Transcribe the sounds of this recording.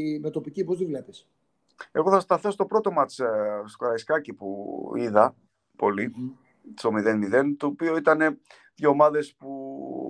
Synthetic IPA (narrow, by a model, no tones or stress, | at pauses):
met̪opicipozðivlepes | e̞ɣo̞θɐst̪ɐθo̞st̪o̞pɾo̞t̪o̞mɐt͡sskoɾɐiskɐcipuiðɐ | po̞li | so̞miðenmiðe̞nt̪o̞ːpio̞it̪ɐne̞ | ðʝomɐðe̞spu